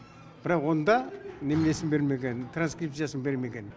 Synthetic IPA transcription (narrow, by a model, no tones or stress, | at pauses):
b̥ɪɾɑqwo̞nd̪ɑnemle̞sɪmbe̞ɾme̞kʲe̞nt̪ʰranskript̪sijasəmbe̞ɾme̞ɡʲe̞n